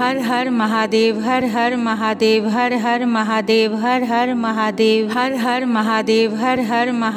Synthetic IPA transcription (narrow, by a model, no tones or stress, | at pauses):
ɐɾɦɐɾmɐɦaːd̪eːʋɦɐɾɦɐɾmɐɦaːd̪eːʋɦɐɾɦɐɾmɐɦaːd̪eːʋɦɐɾɦɐɾmɐɦaːd̪eːʋɦɐɾɦɐɾmɐɦaːd̪eːʋɦɐɾɦɐɾmɐɦ